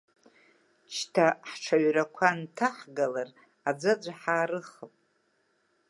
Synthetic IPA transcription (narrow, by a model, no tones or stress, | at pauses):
t͡ʃʰtʰaħʈ͡ʂʰaɥrakʷʰantʰaħɡalar | ad͡zʷad͡ʒʷaħaːɾɨχəpʼ